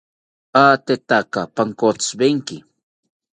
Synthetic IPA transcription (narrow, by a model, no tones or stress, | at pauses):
at̪et̪akapaŋkot͡ssbeŋkɪ